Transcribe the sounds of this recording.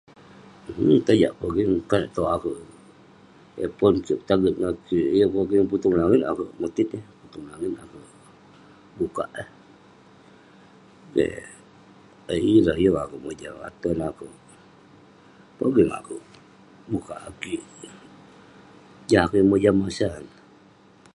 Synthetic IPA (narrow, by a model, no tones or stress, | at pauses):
h̩t̪ad͡ʒa̰ʔpoɡiŋkanaʔt̪oakuʔ | ḛpɔnt͡ʃioʔt̪aɡət̪̚nakiijopoɡiŋput̪uŋlaŋit̪a̰kuʔmut̪it̪iput̪uŋlaŋit̪akuʔ | bukaʔe | kḛ | eiɾaijoakuʔmod͡ʒa̰ŋa̰t̪onakuʔ | poɡiŋa̰kuʔ | buka̰ʔakiʔ | d͡ʒaŋakuimod͡ʒamasan